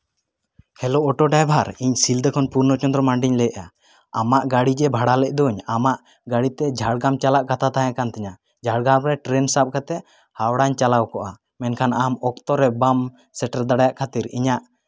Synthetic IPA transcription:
hʰɛlɔɔʈɔɖajbʱaɾiɲsild̪əkʰɔnpuɾnɔt͡ʃɔnd̪ɾɔmaɳɖiɲlɛʔa | amaʔɡaɽid͡ʒɛbʱaɽalɛʔ̚ˀd̪ɔɲamaʔ | ɡaɽit̪ɛd͡ʒʱaɽɡamt͡ʃalaʔkat̪at̪aɦããkant̪ɛɲa | d͡ʒʱaɽɡamɾɛʈɾɛnsap̚kat̪ɛ | hawɽaɲt͡ʃalawkɔʔa | mɛnkʰanamɔkt̪ɔɾɛbam | sɛʈaɾd̪aɽajaʔkʰat̪iɾḭɲaʔ

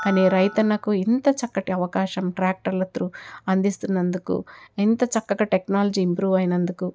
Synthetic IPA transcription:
kaːniːɾɐjt̪ɐnːɐkuint̪ɐt͡ʃɐkːɐʈiɐʋɐkaːʃɐmʈɾaːk̚ʈɐɾlɐt̪ɾuɐnd̪ist̪unːɐnd̪ukṵint̪ɐt͡ʃɐkːɐɡɐʈeknaːlɐd͡ʒiːmpɾuːʋɐjinɐnd̪uku

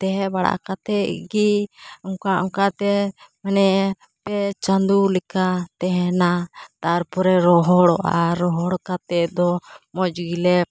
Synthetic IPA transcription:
t̪ɛɦɛbaɽa̰ʔkat̪ɛʔɡiɔŋkaʔɔŋkat̪ɛmanɛʔ | pɛt͡ʃand̪ulɛkat̪ɛɦɛnat̪aɾpɔɾɛɾɔɦɔɽɔʔa̰ɾɔɦɔɽkat̪ɛʔd̪ɔmɔd͡ʒɡilɛ

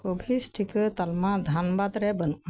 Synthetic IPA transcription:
kobʱisʈʰikɯt̪ɐlmad̪ʱanbad̪ɾɛbənuʔ

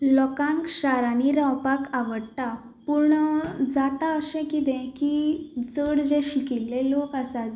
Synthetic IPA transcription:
lɔkãŋkɕaɾaniɾawpakaʋəɽta | puɾɳd͡zat̪aəɕɛ̃kit̪ɛ̃kid͡zəɽd͡zẽɕikilːelokasat̪

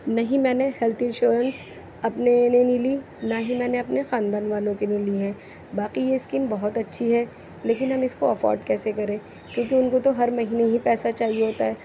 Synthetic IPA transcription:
nɐɦĩmɛːnehɛlt̪ʰɪ̃nʃuːɾəns | ɐpnenenili | naɦimɛ̃ːneɐpnexaːnd̪aːnʋaːnõkeniliɦɛ̃ː | baːqijeɪskiːmbɐɦʊt̪ɐtːʃʰiɦɛ | leːk̬ɪnɦɐmɪskoɐfɔ̰ːɾɖkɛːsekɐɾẽː | kjõːk̬eʊnkot̪oɦɐɾmɐɦiːneɦipɛːsat͡ʃaːɦieɦoːt̪aɦɛː

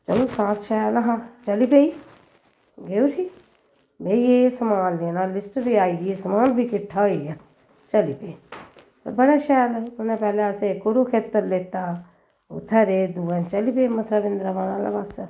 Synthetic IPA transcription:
t͡ʃəlosãːt̪ʰʃajalaɦãt͡ʃəlipei | ɡeuɾʰiː | beːijeːsəmaːllenãːlɪsʈbʱiaːiesəmaːlbʱikɪʈʰːaːija | t͡ʃəlipeː | tːbəɽaʃajalʊnẽpɛːleəsekʊɾukʰeːt̪ːəɾleːt̪aː | ʊ̰t̪ʰːaɾeːd̪uːə̃t͡ʃəlipemət̪ʰɾaːʋɪ̃nd̪ɾaʋaːnaːla̰bas

